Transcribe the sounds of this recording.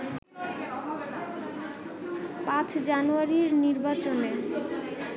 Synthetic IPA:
pãt͡ɕʰd͡ʑanuaɾiɾniɾbat͡ɕone

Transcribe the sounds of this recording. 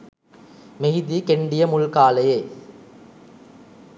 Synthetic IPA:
meɦid̪ikeɳɖɪjɐmʊlkaːlɐjɐɪ

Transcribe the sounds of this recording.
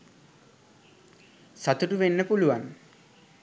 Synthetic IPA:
sat̪uʈuʋenːəpuluʋan

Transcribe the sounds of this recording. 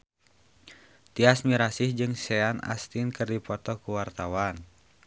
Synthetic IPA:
t̪iasmiɾasihd͡ʒɨŋsɛana̰st̪inkɨrdipɔt̪ɔkuwart̪awan

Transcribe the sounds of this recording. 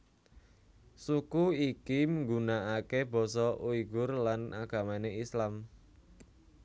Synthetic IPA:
sukuikiməŋɡunaakeb̥ɔ̤sɔʔuiɡʊrlana̰ɡ̥ä̤maneislam

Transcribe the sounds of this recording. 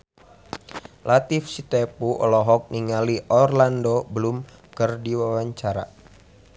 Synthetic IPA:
lat̪ifsit̪epuʔɔ̰lɔɦɔk̚niŋaliʔɔrlandobəlʊmkərdiwawaɲt͡ʃaɾa̰

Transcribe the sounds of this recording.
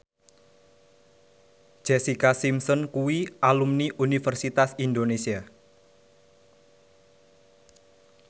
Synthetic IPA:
d͡ʒ̥ɛsikasimsɔnkuwiʔalumniʔunifɛrsit̪asind̪onesia

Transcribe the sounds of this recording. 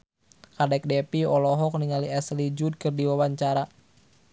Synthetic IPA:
kadɛk̚dɛpiɔlɔɦɔk̚niŋaliɛslid͡ʒud̚kɨrdiwawaɲt͡ʃaɾa

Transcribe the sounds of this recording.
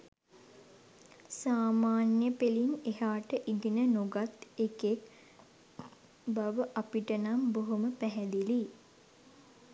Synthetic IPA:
saːmaːnjəpelinehaːʈəʔiɡinənuɡat̪ekek | baʋəʔapiʈənamboɦuməpæɦɛd̪ili

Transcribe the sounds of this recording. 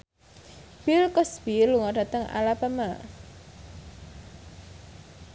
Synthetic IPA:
b̥ilkɔsbiluŋaɖ̥a̤t̪əŋa̰lapama

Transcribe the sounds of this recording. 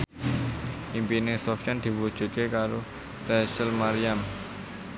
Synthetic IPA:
impinesɔft͡ʃand̪̥i̤wu̥d͡ʒ̥ṳt̪̚kekaɾo | plɛsəlmaɾijam

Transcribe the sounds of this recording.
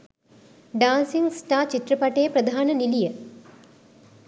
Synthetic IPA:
ɖaːnsiŋsʈaːt͡ʃit̪ɾɐpɐʈejəpɾɐd̪ʱaːnɐnilijə

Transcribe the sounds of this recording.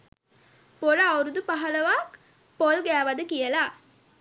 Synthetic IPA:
poɾɐɐwɾud̪upaɦɐlɐʋaːk | polɡæːʋɐd̪ɨkijəlaː

